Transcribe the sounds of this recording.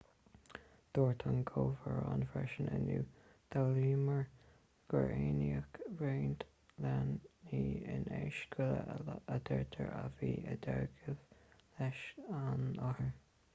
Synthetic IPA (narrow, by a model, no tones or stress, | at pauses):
d̪̥oːɹt̪ʰanɡʰoːvəɹa̰nfɾɛʃənənuː | d̪̥aliːməɹ | ɡ̥əɹeːniəkveːnd̪ | laniːɪneʃɡʰʊləəd̪ɛɹt̪ʰəɹaviːəd̪aɹɡəvlɛʃanɔhəɹ